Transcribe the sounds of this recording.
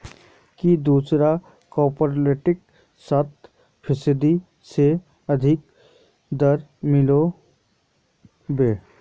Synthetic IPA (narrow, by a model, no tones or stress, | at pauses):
kid̪uːsɾa | kɔːpɔɾleːʈɪk | sət̪ | pʰɪsɪd̪i | se | ɐd̪ʱɪk | d̪əɾmɪlo | beː